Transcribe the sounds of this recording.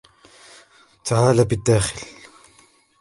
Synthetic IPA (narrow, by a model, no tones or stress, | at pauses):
t̪aʕaːlabɪd̪ːaːxɪl